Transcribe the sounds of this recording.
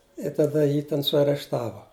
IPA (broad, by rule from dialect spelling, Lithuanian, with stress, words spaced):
ɪ tɐˈdɐ ˈjiː tʲɛn sʊɐrʲɛʃˈtɑːʋoː